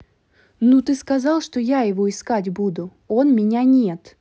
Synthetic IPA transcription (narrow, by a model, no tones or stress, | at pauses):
nut̪ɨskɐzɑlˠʂt̪ojajɪvoɪskatʲbud̪ʊ | o̞nmʲɪnʲanʲet̪